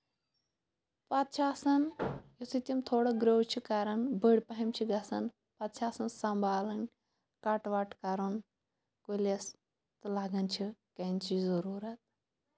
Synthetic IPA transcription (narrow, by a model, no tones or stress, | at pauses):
pɐt̪̚t͡ʃʰaːsɐnjusit̪ʲimt̪ʰoːɽɐɡɾowt͡ʃʰikaɾɐnbəɽʲpɐɦɐmt͡ʃʰiɡɐsɐn | pɐt̪̚t͡ʃʰaːsɐnsɐmbʱaːlɐnʲ | kɐʈʋaʈkɐɾɐn | koles | t̪ɨlaːɡɐnt͡ʃʰikɐnʲt͡ʃʰizɐɾuːɾɐt̪̚